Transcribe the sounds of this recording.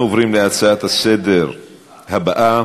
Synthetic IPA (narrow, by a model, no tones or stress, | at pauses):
ovʁimleat͡saat̪hased̪eɾ | habaʔa